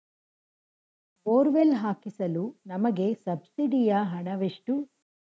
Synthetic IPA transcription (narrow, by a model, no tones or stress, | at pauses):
poːɾʋelɦaːkisɐlunɐmɐɡe̞sɐbsiɖijɐɦɐɳɐʋeʂʈu